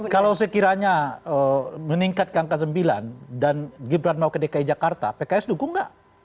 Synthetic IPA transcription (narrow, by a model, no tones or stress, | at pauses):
kalaws̬əkiɾaɲaəməniŋkat̪̚kəaŋkas̬əmbila̰ndanɡibɾanmaukədekaid͡ʒakart̪a̰pekaɛsdukʊŋɡaʔ